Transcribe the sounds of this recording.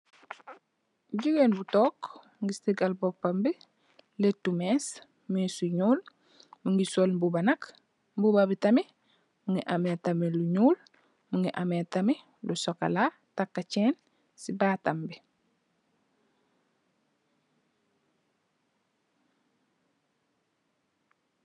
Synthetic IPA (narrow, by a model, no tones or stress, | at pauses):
ɟuɡeːnbutoːk | ŋɡistiɡalbopːambe | letːumeːs | musuɲuːl | muŋɡisolbubanak | mbubabitame | muŋiʔametameluɲuːl | muŋɡiʔametame | lusoka̰la | takːat͡ʃeːn | sibaːtambe